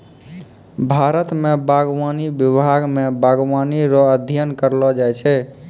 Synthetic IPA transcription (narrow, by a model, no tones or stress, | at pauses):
bʱaɾət̪mebaɡwanibjibʱaɡmebaɡwaniɾɔəd̪ʱjənkəɾlɔd͡ʒajt͡ʃʰɛ